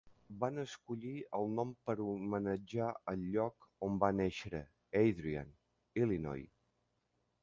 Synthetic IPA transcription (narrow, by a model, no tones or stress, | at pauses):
banəskuʎiəlˠnɔmpəɾumənəd͡ʒaəʎʎɔkombanɛʃɾə | ejðɾia̰n | ilinɔ̰j